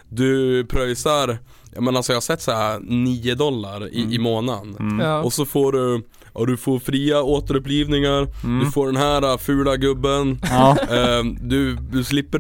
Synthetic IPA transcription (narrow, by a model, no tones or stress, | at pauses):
d̪ɵpʰɾœjsaɾ | jɑ̰ːmɛnalsɔjaːhasɛt̪ːsaɾaniːʊd̪ɔlːa̰ɾɪ̰ɪmoːnanɔsɔfoːɖɵ | ʔɑd̪ɵfoːɾfɾiːaoːt̪əɾɵpliːvnɪŋaɾd̪ɵfoːɖɛnɦæːɾafʉːlaɡɵbːən | d̪ɵd̪ɵslɪpːə